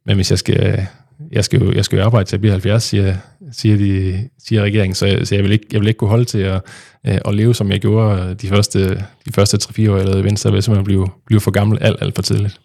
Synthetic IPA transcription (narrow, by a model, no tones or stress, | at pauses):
menʋe̝sjɑ̈ɪsɡ̥æ | jɑ̈ɪsɡ̥æjojɑ̈ɪsɡ̥æjoɑ̈ːb̥ɑ̈ɪd̥ət͡sʰeb̥ihælfjæɐsːiɐ | siːɐd̥isiːɐʁɛɡ̥e̝ɐeŋn̩sɒ̽sɒ̽jɑɪʋele̝ɡ̥jɑɪele̝ɡ̥̚kʰuɦɒ̽lət͡sʰe̝ɒ | ʔɒle̝ːʊsɒ̽mjɑ̈ɪɡ̥jo̝ːɐd̥ifɶɐsd̥əd̥ifɶɐsd̥ət͡sʰʁɛfḭːɐɒ̰ːjlɛːʊʋen̰sd̥ɐʋesɒmb̥liʊb̥liʊfɒ̽ɡ̥ɑ̈ml̩æl̰d̥æl̰d̥fɒ̽t͡sʰiðˠlid̥